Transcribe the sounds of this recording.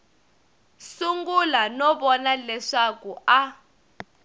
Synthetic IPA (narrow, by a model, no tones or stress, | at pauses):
suŋɡulanɔɓɔnalɛʂakuʔa